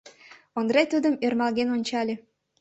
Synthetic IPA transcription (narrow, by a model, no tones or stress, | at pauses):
ŏnd̪ɾet̪ud̪əmørmɑlɣenonʲt͡ɕɑlʲĕ